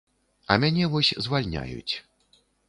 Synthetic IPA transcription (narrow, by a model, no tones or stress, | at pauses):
ɐ̰mʲanʲɛvɔsʲzvalʲnʲa̰jṵt͡sʲ